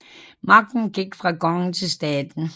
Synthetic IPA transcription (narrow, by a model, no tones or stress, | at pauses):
mɑ̈ɡ̥̚d̥n̩ɡ̥iɡ̥fʁɑ̈ɡ̥ɒ̽ŋnt͡sʰe̝lsd̥ɛːd̥n̩